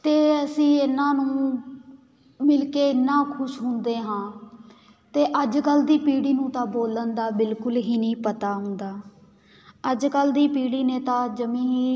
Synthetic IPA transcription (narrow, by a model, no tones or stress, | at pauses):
t̪eːəsĩːɪnːãːnũː | mɪlkeːɪnːãːkʰʊʃɦʊnd̪eːɦãː | t̪eːʔəd͡ʒkəld̪iːpiːɽiːnũːt̪ãːboːlənd̪aːbɪlkʊlɦiːnĩːpət̪aːɦʊ̃nd̪aː | əd͡ʒkəld̪iːpiːɽiːneːt̪ãːd͡ʒəmĩːɦiː